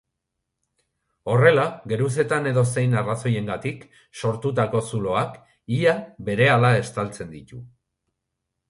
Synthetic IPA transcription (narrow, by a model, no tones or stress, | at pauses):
o̞re̞laɡe̞ɾus̬e̞t̪ane̞ðo̞se̞jnaraso̞je̞ŋɡat̪ik | so̞ɾt̪ut̪ako̞sulo̞ak | iabe̞ɾe̞alae̞st̪alt͡se̞nd̪it̪u